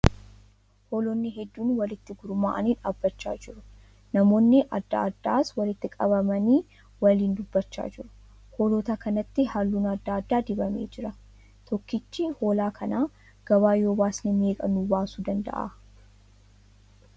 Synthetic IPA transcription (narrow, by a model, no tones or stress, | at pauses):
hoːlonːɪɦɛd̪ːuːnwɐlɪt̪ːɪɡʊɾʊmaːʔɐniːᶑaːbːɐt͡ʃːa̰ːd͡ʒɪɾʊ | nɐmo̞ːnːɪʔɐ̰d̪ːɐ̰ɐd̪ːaːswɐlɪt̪ːɪkʼɐbɐmɐniː | wɐliːnd̪ʊbːɐt͡ʃːa̰ːd͡ʒɪɾʊ̥ | ho̞ːloːt̪ɐkɐnɐt̪ːɪhalːuːnɐd̪ːaːd̪ːaːd̪ɪbɐmḛːd͡ʒɪɾɐ | t̪ʰɔkːɪt͡ʃːɪho̞ːlaːkʰɐnaː | ɡ̥ɐβaːjo̞ːbaːsnɪme̞ːkʼɐnuːbaːsuːd̪ɐnd̪ɐ̰ʔa̰ː